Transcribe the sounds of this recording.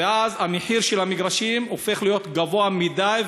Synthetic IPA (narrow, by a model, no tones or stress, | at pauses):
eazameħiʁʃelamiɡʁaʃimo̞fe̞χlijo̞t̪ɡavo̞amid̪aj